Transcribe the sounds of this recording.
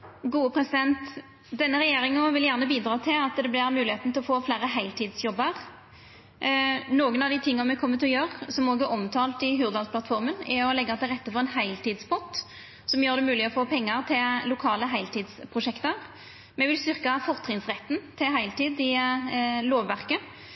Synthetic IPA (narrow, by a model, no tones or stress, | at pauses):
ɡuːəpʰɾɛsɪd̪ɛnt̪ | d̪ɛnːəʁɛjeːɾɪŋnoːʋɪljæʁnəbiːd̪ɾɑːt̪ʰɪlɑt̪d̪ɛblɪʁmʉːlɪheːt̪n̩t̪ɪlɔfoːflæːʁəɦæɪlt̪ʰiːd̪sjɔbəʁ | noːɡənɑʋd̪iːt̪ʰɪŋːɑnmɛkʰɔmːət̪ʰɪlɔjøːʁsɔmoːɡɛʔɔmt̪ʰɑːlt̪ɪɦʉːʁd̪ɑsplɑt̪fɔʁmənɪɔlɛɡːɑt̪ʰɪʁɛt̪ːəfɔʁɛnhæɪlt̪ʰiːd̪spʰɔt̪ː | sɔmjøːʁd̪ɛmʉːlɪɔfoːpʰɛŋːəʁt̪ʰɪllʊkʰɑːləɦæɪlt̪iːd̪spʰʁʊʂɛkt̪əʁ | mɛʋɪlst̪ʏʁkɑfɔʁt̪ʰʁɪŋsʁɛt̪ːn̩t̪ʰɪlɦæɪlt̪iːd̪ɪ | loːʋːæʁkə